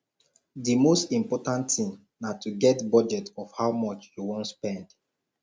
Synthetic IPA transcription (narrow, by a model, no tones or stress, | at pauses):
dimostĩmpɔtãntĩŋ | natʰuɡɛtbɔd͡ʒɛtɔfhawmɔt͡ʃjuwɔ̃ntspɛ̃nd̥